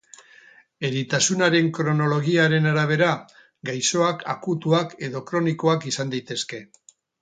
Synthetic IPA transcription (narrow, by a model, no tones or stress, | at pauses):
e̞ɾit̪asunaɾe̞ŋkɾo̞no̞lo̞ɣ̞iaɾe̞naɾaβ̞e̞ɾa | ɡajso̞akʰakut̪uake̞ðo̞kɾo̞niko̞akisand̪ajt̪e̞ske̞